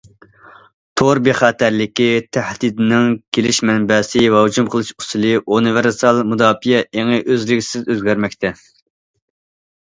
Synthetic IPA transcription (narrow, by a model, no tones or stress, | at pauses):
t̪ʰoɾbeχɑːt̪æɾlɪkʲit̪ʰæhd̪id̪ɪnɪŋkʲʰelɪʃmɛnbɛsɪvɛɦud͡ʒumqʰəlˠɨʃu̥sɨlˠɨʔunɨvɪɾsɑlˠmud̪ɑːfijɛʔeŋɨʔøzlɪɡʲi̥sɪzøzɡʲæɾmɛk̚ʲt̪ʰɛ